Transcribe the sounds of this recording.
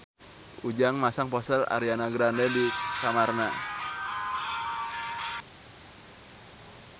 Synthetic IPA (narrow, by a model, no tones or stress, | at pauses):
ud͡ʒaŋmasaŋpɔsəla̰ɾianaɡɾandɛdikamarna